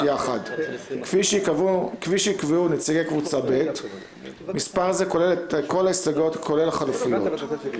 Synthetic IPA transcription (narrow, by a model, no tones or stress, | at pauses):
jaχa̰d | i | kviʃeikveunet͡siɡekvut͡sabe̞t | mispaʁzekoleletko̞laisaɡo̞tkʰo̞lelaχalufujo̞̰t